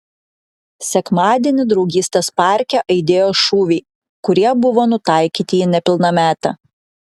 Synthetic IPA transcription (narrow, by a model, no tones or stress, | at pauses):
sʲɛkmɑːd̪ʲiɛnʲɪd̪ɾɒʊɡʲiːsʲt̪ʲespɑˑɾʲkʲɛʔɐɪd̪ʲeːjoːʃuːʋʲɛɪ | kʊɾʲiɛbʊʋoːnʊt̪ɑˑɪkʲiːt̪ʲɪinʲɛpʲɪlˠnɐmʲæːt̪ɐ̰